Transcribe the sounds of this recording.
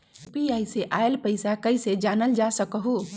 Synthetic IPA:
piajseʔaelpəɪsakəɪsed͡ʒanəld͡ʒasəkəɦu

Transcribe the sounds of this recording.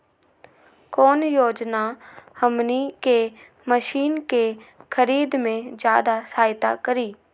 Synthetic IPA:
kɔːnjoːd͡ʒnahəmnike | məʃiːnkexʰəɾiːd̪mẽd͡ʒjaːd̪asaːɪt̪a̰kəɾiː

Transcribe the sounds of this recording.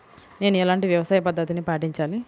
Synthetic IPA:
ne̞ːnuɛlaːɳʈiʋjɐʋɐsaːjɐpɐd̪ʱːɐt̪inipaːʈiɲt͡ʃaːli

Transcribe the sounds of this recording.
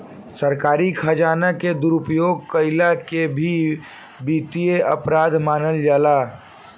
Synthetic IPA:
səɾkaːɾikʰəd͡ʒaːnəked̪uɾupjoːɡ̚kəɪlakebʱi | biːt̪ijeʔəpɾaːd̪ʱmaːnəld͡ʒaːla

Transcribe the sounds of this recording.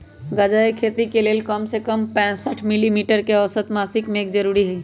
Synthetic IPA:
ɡad͡ʒaːekʰeːt̪ikeleːlkəmsekəmpɛ̃ːsəʈʰmɪlimiːʈəɾkeɔʋsət̪maːsɪkmeːkd͡ʒɐɾuːɾiɦɛː

